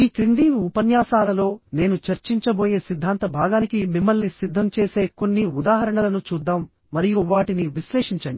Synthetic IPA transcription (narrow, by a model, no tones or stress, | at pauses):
iːkɾind̪iːʋupɐnjaːsaːlɐlo̞ːne̞ːnut͡ʃɐɾt͡ʃiɲt͡ʃɐbo̞ːje̞ːsid̪ʱːaːnt̪ɐbʱaːɡaːnikimimːɐlnisid̪ʱːɐmt͡ʃe̞ːse̞ːko̞nːiud̪aːɦɐɾɐɳɐlɐnut͡ʃuːd̪ːaːmː | ɐɾijuʋaːʈiniʋiʃleːʂiɲt͡ʃɐɳɖi